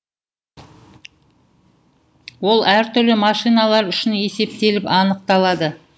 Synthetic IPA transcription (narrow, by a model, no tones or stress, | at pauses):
wo̞lˠæɾt̪ʰʏɾlɪmɑʃijnɑlˠɑɾʏʃɪne̞se̞p̚t̪e̞lɪpɑnəq̚t̪ɑlˠɑd̪ə